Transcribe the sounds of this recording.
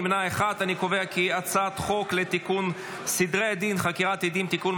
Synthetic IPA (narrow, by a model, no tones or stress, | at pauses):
mnaeχad̪anikoveakiat͡sat̪χo̞klet̪ikun | sid̪ʁead̪inχakiʁat̪id̪imt̪ikun